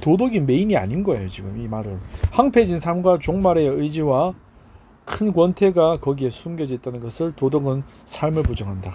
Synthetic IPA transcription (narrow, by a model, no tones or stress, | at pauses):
todoɡinme̞iɲia̰ɲinɡʌe̞jot͡ɕiɡɯmimaɾɯnhaŋpʰe̞d͡ʑinsʰamɡwat͡ɕoŋmaɾe̞ɯjd͡ʑiwa | kʰɯnkwʌntʰe̞ɡakʌɡie̞sʰumɡjʌd͡ʑʌt̚t͈anɯnɡʌsʰɯɭtodoɡɯn | sʰaɭmɯɭp̬ud͡ʑʌŋɦanda